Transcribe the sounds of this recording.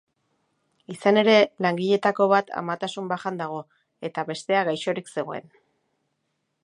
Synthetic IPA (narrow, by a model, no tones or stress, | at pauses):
isane̞ɾe̞laŋɡiʎe̞t̪ako̞β̞at̪ʰa̰mat̪asumbaxand̪aɣ̞o̞ | e̞t̪aβe̞st̪e̞aɣajʃo̞ɾikse̞ɣo̞e̞̰n